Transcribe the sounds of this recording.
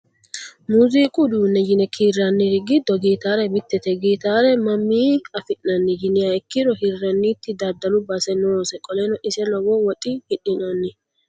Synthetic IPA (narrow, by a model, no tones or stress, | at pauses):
muːziːkʼʊd̪uːnːɛd͡ʒɪnɛkʰiːrːɐnːɪɾɪɡɪd̪ːɔɡiːt̪aːɾɛbɪt̪ːɛt̪ɛɡiːt̪aːɾɛmɐmːiːɐfɪʔnɐnːɪd͡ʒɪnɪjɐɪkːɪɾɔhirːɐnːiːt̪ːɪd̪ɐd̪ːɐlʊbɐsɛnoːsɛkʼɔlɛːnɔʔɪsɛlɔwɔwɔt̪ʼɪhɪɗɪnɐnːɪ